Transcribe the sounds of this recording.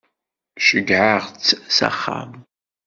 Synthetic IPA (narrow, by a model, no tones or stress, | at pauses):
ʃɪɡʕaʁt͡sʰsa̰χa̰m